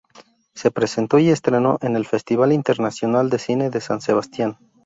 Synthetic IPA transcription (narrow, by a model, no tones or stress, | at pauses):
se̞pɾe̞se̞nt̪o̞ie̞st̪ɾe̞no̞̰ʔe̞ne̞lfe̞st̪iβ̞alint̪e̞ɾnasjo̞nald̪e̞sine̞ðe̞sanse̞β̞ast̪jan